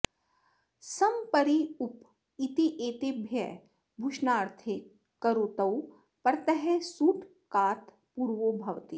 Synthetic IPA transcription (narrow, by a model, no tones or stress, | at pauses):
sɐmpɐɾiʊp | it̪iʔeːt̪ebʱjɛ̰ | bʱuʃnaːɾt̪ʰe | kɐɾoːt̪ɐw | pɐɾt̪ɐɦɛsuːʈ | kaːt̪ʰ | puːɾʋobʱɐʋt̪iː